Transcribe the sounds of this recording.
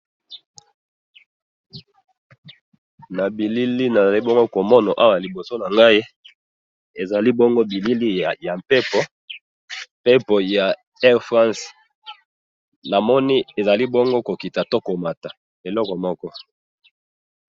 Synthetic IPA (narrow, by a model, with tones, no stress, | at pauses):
na˨bi˨li˦li˦na˨za˨li˦bɔ˦ŋɡo˦ko˨mɔ˦nɔ˨ʔa˦wa˦˨a˨li˨bo˨so˦na˨ŋɡa˦i˦ | e˨za˨li˦bɔ˦ŋɡo˦bi˨li˦li˦˨ja˨pe˦pɔ˨˦ | pe˦pɔ˨ja˨ | ɛ˦ʁfʁã˦s | na˨mɔ˦ni˦e˨za˨li˦bɔ˦ŋɡo˦ko˨ki˨ta˨to˦ko˨ma˨ta˨ | e˨lɔ˦kɔ˨mɔ˦kɔ˦